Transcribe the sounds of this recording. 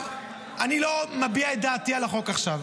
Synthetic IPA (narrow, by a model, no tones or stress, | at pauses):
ʔanilo̞mabiaet̚d̪aːt̪ialaχo̞kaχʃav